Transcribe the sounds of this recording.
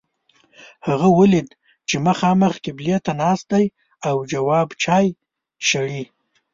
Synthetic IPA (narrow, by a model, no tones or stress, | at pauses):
haɣawəlid̪ | t͡ʃeməxɑməxkɪblijat̪anɑs̚d̪aj | awd͡ʒawɑbt͡ʃɑj | ʃaɽi